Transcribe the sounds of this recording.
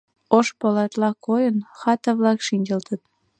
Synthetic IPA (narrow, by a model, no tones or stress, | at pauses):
oʃpolɑt̪lɑkojənxɑt̪ɑβlɑkʃinʲd͡ʑə̆lt̪ət̪̚